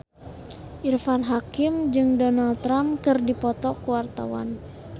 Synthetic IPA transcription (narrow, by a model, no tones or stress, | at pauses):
ʔirfanɦakimd͡ʒɨŋdɔnalt̪ːɾamkɨrdipɔt̪ɔkuwart̪a̰wa̰n